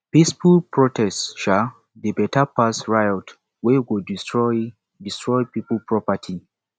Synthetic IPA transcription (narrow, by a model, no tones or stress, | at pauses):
pisfulpɹɔtʰɛsʃa | debɛtapasɹajɔt | wɛwudiɹɔ | distɹɔjpipəpɹɔpatʰi